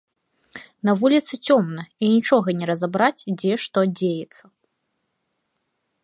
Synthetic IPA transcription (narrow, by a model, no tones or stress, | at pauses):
nɐvulʲit̪sɨt͡sʲɔmnɐinʲit͡ʂɔɣɐnʲɛɾɐzabɾat͡sʲd͡zʲɛʂt̪ɔd͡zʲejɛt̪sːɐ